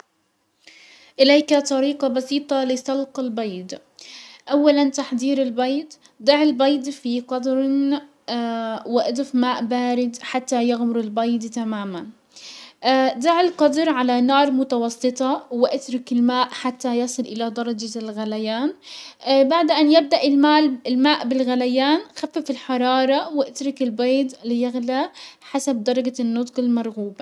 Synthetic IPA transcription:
ʔɪlajkat̪ˤɑɾiːqɑbɑsiːt̪ˤɑlɪsˤɑlqɑlbɑjd̪ | ʔawːalant̪aħd̪iːɾɪlbɑjd̪ | d̪ˤɪʕɪlbɑjd̪fiqɑd̪ɾ | wɪʔad̪ʊfmaːʔbaːɾɪd̪ħat̪ːajaɣmʊɾɪlbɑjd̪t̪amaːman | d̪aʕɪlqɑd̪ɾʕalanɑːɾˤmʊt̪ɑwɑsˤːɨt̪ˤɑwɪʔat̪ɾˤɪkɪlmaːʔħat̪ːajɑsˤɨlʔɪlad̪ɑɾˤɑd͡ʒalɣalajaːn | baʕd̪ʔanjɪb̚d̪aʔɪlmaːlɪlmaːʔbɪlɣalajaːnxafːafɪlħɑɾˤɑːɾˤɑwɪʔat̪ɾˤɪkɪlbeːd̪lɪjaɣlaħasab̚d̪ɑɾˤɑɡanːʊt̪ˤqɪlmɑɾˤɣuːba

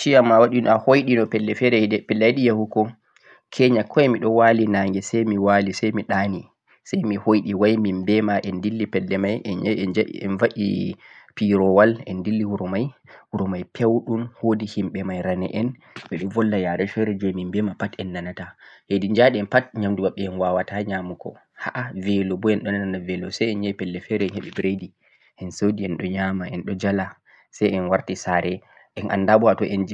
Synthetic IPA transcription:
t͡ʃiamːawaɗinahojɗinɔpɛlːɛfɛɾɛpɛlːajɗijahukɔ | kʰɛɲakʰɔɛmiɗɔwalinaːŋɡɛsajmiwalisajmiɗani | sajmihojɗiwajmimbɛmaʔɛndilːipɛlːɛmajʔɛɲaɛd͡ʒa̰ɛ̰nvaʔḭpiɾɔwalɛndilːihuɾɔmajuɾɔmajpʰewɗunhodihimɓɛmajɾanɛ̰ʔɛn | ɓɛɗɔvɔlːajaɾɛfɛɾɛd͡ʒomimbɛmapatɛnːanatahedind͡ʒaɗiɛnpatɲamduwaɓːɛɛnwawataɲamukɔ̰ | haʔavɛlɔbɔɛnɗɔnananavɛlɔsajɛnɲaipɛlːɛfɛɾɛɛnheɓibɾedi | ʔɛnsodiɛnɗɔɲamaʔɛnɗɔd͡ʒala | sajɛnwaɾtisaɾɛ | ʔɛnʔa̰ndabɔatɔʔɛnd͡ʒ

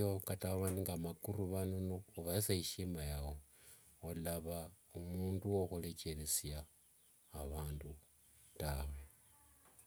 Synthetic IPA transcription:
okataβaniŋɡamakuɾuβanunoːβaisaiʃimajawo | olaβaumuːnduwoxulecelesjaː | βaːndu | tawe̞

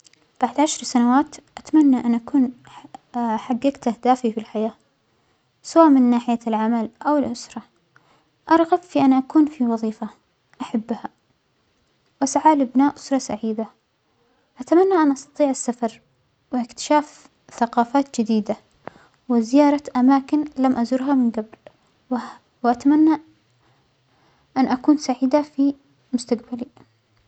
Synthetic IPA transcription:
b̥aʕd̪ʕaʃɾˤsanawaːt̪ʔat̪amanːaʔanʔakuːn | ħaɡːɪɡt̪ʔahd̪aːfifilħajaː | sawaːʔmɪnːaːħɪjalʕamalʔawɪlʔʊsɾˤɑ | ʔɑɾˤɣɑbfiʔanʔakuːnfiwɑðˤiːfa | ʔaħabːha | wʔasʕaːlɪbnaːʔʔʊ̥sɾˤɑsaʕiːd̪a | ʔat̪amanːaʔanʔɑst̪ɑt̪ˤiːʕasːafɑɾˤ | wɪʔɪkt̪ɪ̥ʃaːf | θaqɑːfaːt̪̚d͡ʒɪd̪iːd̪a | wɪzɪjɑːɾˤɑʔamaːkɪnlamʔazʊɾɦamɪnɡabl | wʔat̪amanːa | ʔanʔakuːnsaʕiːd̪afi | mʊst̪aqbali

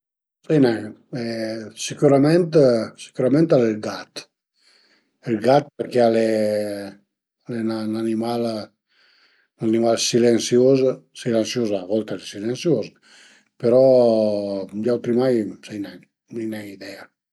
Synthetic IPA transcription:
sɛjnɛ | ɛsikuɾamɛnt̪si̥kuɾamɛ̃nt̪alelɡat̪ | elɡat̪̚peɾkeale | alenananimal | nanimalsilensjozsilɛnsjozavɔlt̪alesilensjoz | peɾɔ | d͡ʒawt̪ɾimajsɛjnɛj | nejnɛjid̪ɛa

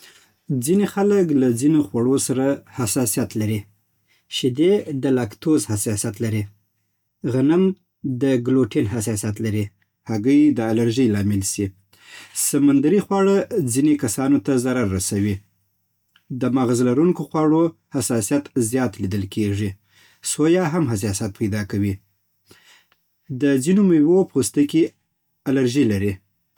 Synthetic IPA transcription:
d͡zinexaləklad͡zinoxwaɽosaɾahasɑsijat̪laɾi | ʃɪd̪ed̪əlakt̪ozhasɑsjat̪laɾi | ɣanam | d̪əɡloʈenɦas̬ɑsjat̪laɾi | haɡəjd̪əalaɾʒəjlɑmɪlsi | samand̪aɾixwɑɽad͡zinekasɑnot̪azaɾaɾːasawi | d̪əmɑɣazlaɾuŋkoxwɑɽohasɑsijat̪zjɑt̪lid̪əlkʰeʐi | sojɑɦamɦas̬ɑs̬jat̪̚pajd̪ɑkawi | d̪əzinoməjwopost̪əki | alaɾʒilaɾi

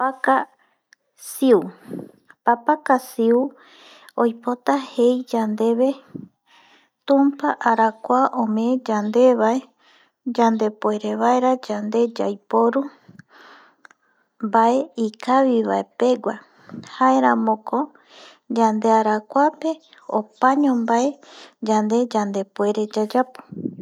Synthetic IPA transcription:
aka | siu | papakasiu | ojpo̞t̪ahe̞jd͡ʒand̪e̞βe̞ | t̪ũmpaʔaɾakʷaʔõmẽd͡ʒand̪e̞βae | d͡ʒand̪e̞poeɾeβaeɾad͡ʒand̪e̞d͡ʒa̰jpoɾu | mbae̞ikʰaβiβae̞pe̞ɡʷa | haeɾãmõkʰo | d͡ʒand̪e̞aɾakʷape̞ | opaɲõmbaed͡ʒand̪e̞d͡ʒand̪e̞poe̞ɾe̞d͡ʒad͡ʒapo̥

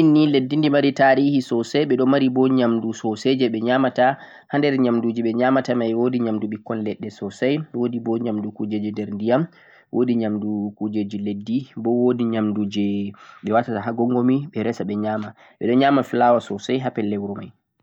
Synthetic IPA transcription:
inːiledːindimaɾitaːɾihisɔsajɓɛɗɔmaɾibɔɲamdusɔsed͡ʒɛɓɛɲamata | handɛɾɲamduːd͡ʒiɓɛɲamatamajwodiɲamduɓikːɔnlɛɗːɛsɔsajwodibɔɲamdukud͡ʒed͡ʒɛndɛɾndijam | wʔodiɲamdukud͡ʒed͡ʒiledːibɔwodiɲamdud͡ʒɛɓɛwatataɦaɡɔŋɡɔmiɓɛɾɛsaɓɛɲaːma | ɓɛ̰ɗɔɲaːmafilawasɔsajɦapɛlːɛwɾɔma̰j

